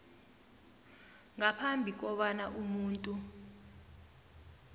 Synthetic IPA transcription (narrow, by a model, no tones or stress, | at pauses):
ŋapʰambʱik̬ɔɓanaʔumuːntʼu